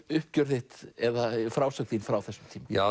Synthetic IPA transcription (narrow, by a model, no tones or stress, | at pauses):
ʏhp̚cœɾθɪht̪ɛðafɾaːwsakðinfɾawθɛsːʏmt̪ʰiːmaa